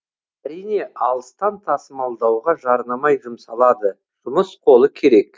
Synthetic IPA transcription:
æɾijne̞ʔɑlˠəst̪ɑnt̪ʰɑsəmɑlˠd̪ɑwʁɑʒɑɾnɑmɑjʒʊmsɑlˠɑd̪ə | ʒ̥ʊməsqʰo̞lˠəkʲʰe̞ɾe̞k

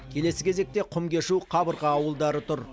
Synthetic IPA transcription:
kʲʰe̞le̞sɪkʲʰe̞ze̞k̚t̪e̞qʰʊmkʲe̞ʃuqʰɑbəɾʁɑːwəlˠd̪ɑɾət̪ʰʊɾ

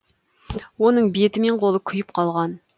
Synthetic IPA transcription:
wonəɴbet̪ɪmeɴqʰolˠəkʲʰʊjɪpqʰɑlˠʁɑn

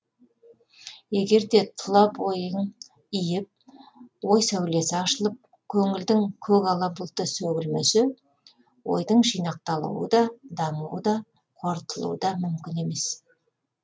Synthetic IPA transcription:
je̞ɡʲe̞ɾd̪e̞t̪ʰʊlˠɑpwo̞jən | ijɪp̚wo̞jsæwle̞sɪɑʃəlˠəp̚ | kʲʰɵŋɪld̪ɪŋkʲʰɵkɑlˠɑbəlˠt̪əsɵɡʲɪlmesɪ | wo̞̰jd̪əɴʒijnɑq̚t̪ɑlˠṵwə̰d̪ɑd̪ɑɴṵwəd̪ɑ | qʰo̞ɾt̪əlˠṵwəd̪ɑmʏmkʲɪne̞me̞s

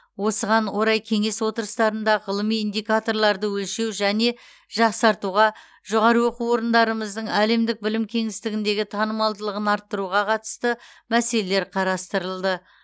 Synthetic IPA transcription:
wo̞səʁɑnwo̞ɾɑjkʲʰe̞ŋe̞swo̞t̪əɾəst̪ɑɾənd̪ɑʁəlˠəmijind̪ijkat̪o̞rlˠɑɾd̪əwɵlʃe̞wʒæne̞ | ʒ̥ɑqsɑɾt̪uʁɑ | ʒoʁɑɾəwo̞quwo̞ɾənd̪ɑɾəməzd̪əɴæle̞md̪ɪk̚bɪlɪmkʲʰe̞ŋɪst̪ɪɡʲɪnd̪e̞ɡʲɪt̪ʰɑnəmɑlˠd̪əlˠəʁənɑɾt̪ːəɾuʁɑqʰɑt̪ə̥st̪əmæse̞le̞le̞ɾqʰɑɾɑst̪əɾəlˠd̪ə

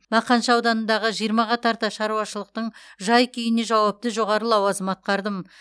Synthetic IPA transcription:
mɑqɑnʃɑwd̪ɑnənd̪ɑʁəʒijəɾmɑʁɑt̪ʰɑɾt̪ɑʃɑɾuwɑʃəlˠəq̚t̪əɴʒɑjkʲʰʏjɪne̞ʒɑwɑp̚t̪əʒo̞ʁɑɾəlˠɑwɑzəmɑt̪̚qɑɾd̪əm

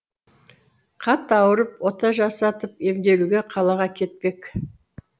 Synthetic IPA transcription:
qʰɑt̪ɑwəɾəpwot̪ɑʒɑsɑt̪əpe̞md̪e̞luɡʲeqʰɑlˠɑʁɑkʲʰe̞t̪̚pe̞k

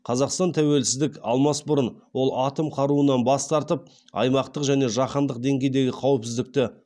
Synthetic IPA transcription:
qʰɑzɑqst̪ɑnt̪ʰæwe̞lsɪzd̪ɪkʲɑlˠmɑsbʊɾənwo̞lˠɑt̪əmqʰɑɾuənɑnbɑst̪ɑɾt̪əp̚ | ɑ̰jmɑqt̪əqʒæne̞ʒɑqənd̪əq̚d̪e̞ŋɡʲe̞jd̪e̞ɡʲɪqʰɑwəpsɪzd̪ɪk̚t̪ɪ

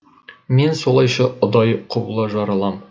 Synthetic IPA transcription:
me̞nso̞lˠɑjʃɑʊd̪ɑjqʰŏblˠɑʒɑɾɑlˠɑm

